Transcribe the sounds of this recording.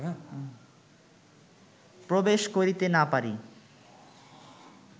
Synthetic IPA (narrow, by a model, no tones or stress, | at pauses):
pɾobeʃkoɾit̪enapaɾi